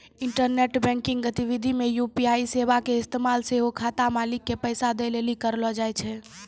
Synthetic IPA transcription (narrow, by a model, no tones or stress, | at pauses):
ɪɳʈəɾneʈbɛ̃ŋkɪ̃ŋɡɡət̪iʋid̪ʱimejupiaisebakeɪst̪emalseɦokʰat̪amalikːepəjsad̪elelikəɾlɔd͡ʒajt͡ʃʰɛ